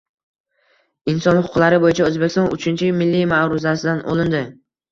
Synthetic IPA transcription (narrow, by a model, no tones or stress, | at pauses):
ɪnsɒnhʊʊqlaɾɪbojɪt͡ʃʰaɵzbekʲɪst̪ɒnʊ̰t͡ʃʰɪnt͡ʃʰɪmɪlːimaɾʊzasɪd̪ano̰lˠɪnd̪ɪ